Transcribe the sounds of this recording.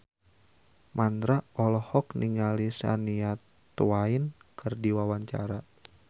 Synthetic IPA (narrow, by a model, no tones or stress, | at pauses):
mʔand̪ɾaɔlɔhɔkniŋalisa̰nia | t̪uainkʰɨrdiwawaɲt͡ʃa̰ɾa